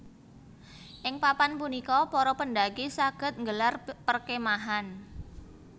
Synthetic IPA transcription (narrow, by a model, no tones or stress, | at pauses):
ʔɪŋpapanpunikɔpɔɾɔpəndaɡisaɡ̥ə̤t̪̚ŋɡəlarpərkemaɦan